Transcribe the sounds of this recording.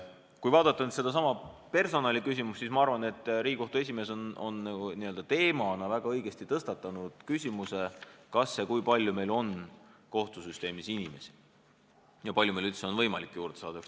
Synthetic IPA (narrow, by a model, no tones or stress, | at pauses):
kujvɑːd̪ɑt̪ːˑɑnyt̪se̞d̪̥ɑs̬ɑmɑpe̞rso̞nɑlʲikys̬ʲimusːiːsmɑɑrvɑne̞t̪ːˑriɡiko̞ht̪ue̞s̬ʲime̞ːsono̞̰nːɑɡuniø̞ld̪̥ɑt̪e̞ːmɑnɑvæɡ̥ɑɤjɡ̥e̞st̪it̪ɤst̪ɑt̪ːˑɑnud̪̥kysʲimuse̞kɑsːekujpɑlʲjume̞jlo̞nko̞ht̪usyst̪e̞ːmisinime̞si̥ | jɑpɑlʲjumejlylt̪se̞o̞nvɤjmɑlikːˑjuːɾd̪̥esɑ̰ːd̪ɑk